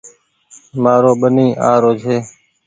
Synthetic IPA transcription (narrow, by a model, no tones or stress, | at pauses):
maːɾoːɓənĩːʔã̰ːɾoːd͡ʒʱɦeː